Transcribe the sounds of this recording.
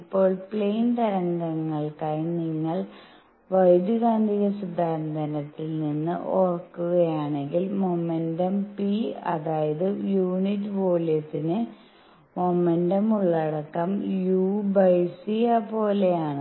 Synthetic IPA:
ipːo̞ːɭpɭejnt̪ɐɾɐŋɡɐŋːɐɭkaːjniŋːɐɭ | ʋɐjd̪juɣaːnd̪ʱiɣɐsid̪ʱaːɾɐnd̪ʱɐnɐt̪ːilninːɨ̰ʔorkːuɣɐjaːɳe̞ŋɡilmomendɐmpiɐ̰ðaːjɐðɨjuːnitːɨʋo̞ːljɐt̪ːinɨ | momendɐmuɭːɐɽɐkːɐmjuːbɐjsijɐpo̞ːlejaːɳɨ

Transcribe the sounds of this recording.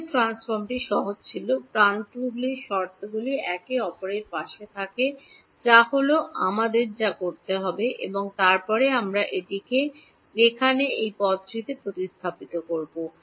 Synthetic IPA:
ʈɾansfoɾmʈiʃɔɦod͡ʑt͡ɕʰilopɾant̪ubliʃɔɾt̪oɡuliɛkeɔpoɾeɾpaʃet̪ʰake | d͡ʑaɦoloʔa̰mad̪eɾd͡ʑakoɾt̪eɦɔbeʔḛboŋt̪aɾpɔɾeamɾaʔeʈike | ɾekʰaneejpɔd̪d͡ʑɾit̪epɾot̪ist̪ʰapit̪okoɾbo

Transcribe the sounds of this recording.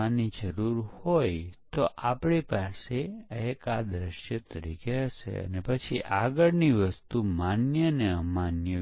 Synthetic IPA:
anid͡ʒəɾuɾhojt̪oʔapɳipaseekad̪ɾəʃjət̪əɾḭkʰeɦəʃḛə̰nepət͡ʃʰiʔaɡəɭniʋəst̪umanjəneəmanjə

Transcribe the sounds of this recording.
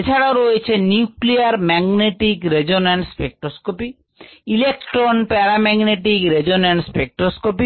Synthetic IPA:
et͡ɕʰaɽaoɾojet͡ɕʰenjukliaɾmɛɡneʈikɾed͡ʑonɛɳʈspek̚ʈɾoskopi | ilekʈɾonpɛɾamɛɡneʈikɾed͡ʑonɛɳɖspek̚ʈɾoskopi

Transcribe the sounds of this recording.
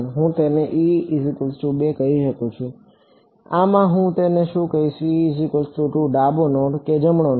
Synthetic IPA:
nɦũt̪eneʔiizikəlsʈubekəɦiʃəkũt͡ʃʰũ | amãɦũt̪eneʃũkəiʃiizikəlsʈuʈũɖabonoʈked͡ʒəmɳon

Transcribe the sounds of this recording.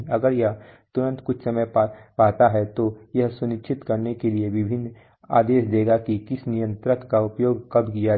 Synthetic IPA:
ɐɡəɾjɐɦt̪ʊɾə̃nt̪kʊt͡ʃʰsɐməjpːpaːt̪aɦɛt̪ojɐɦsʊnɪkt͡ʃʰɪt̪kɐɾnekelieʋɪbʱɪnː | a̰ːd̪eːʃd̪eːɡakikɪsnijə̃nt̪ɾəkːaʊpjoːɡkɐbkija

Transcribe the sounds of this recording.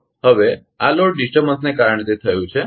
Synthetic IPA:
həʋe | aloɽɖisʈəɾbənsnekaɾəɳ̃et̪et̪ʰəjũt͡ʃʰe

